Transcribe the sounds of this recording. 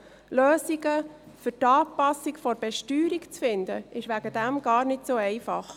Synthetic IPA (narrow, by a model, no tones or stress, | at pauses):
løːziɡə | fʏtɑːpɑsikfɔɾbɛʃtyːɾikt͡sfɪnd̪ə̰ʔɪʃʋæɡ̥əd̥̪æmɡ̥ɑːɾnɪtsoːɛɪfɑχ